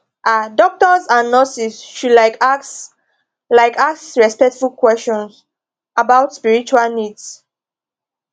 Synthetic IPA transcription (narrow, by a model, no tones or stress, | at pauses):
ʔadɔk̚tɔzãnːɔsisʃudlaɪk | laɪkaksɹɛspɛk̚tfulkwɛst͡ʃɔ̃ns | abaʊtspiɹit͡ʃualnids